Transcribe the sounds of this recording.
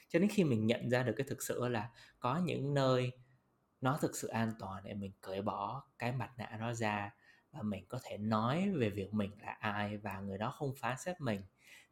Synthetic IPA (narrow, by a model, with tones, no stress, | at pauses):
t͡ɕɔ˧ɗe˨˦nxi˧mï˨˩ŋ̟ɲə̰˧˨nzaː˧ɗɨ˨˩kːaː˨˦jt̪ʰɨ˨˩k̚sɨ̰˧˨laː˨˩kɔ˨˦ɲɨ̰˧˥ŋnəː˧j | nɔ˨˦t̪ʰɨ˨˩k̚sɨ̰˧˨ʔaː˧nt̪waː˨˩nɗe˧˩mï˨˩ŋ̟kə˧˩jɓɔ˧˩kaː˨˦jma˨˩t̚na̰ː˧˨nɔ˨˦zaː˧vaː˨˩mï˨˩ŋ̟kɔ˨˦t̪ʰe˧˩nɔ˨˦jve˨˩vi˨˩ək̚mï˨˩ŋ̟la̰ː˨˩ʔaː˧jvaː˨˩ŋɨ˨˩əjɗɔ˨˦xə˧wŋ͡mfaː˨˦nsɛ˦˥p̚mï˨˩ŋ̟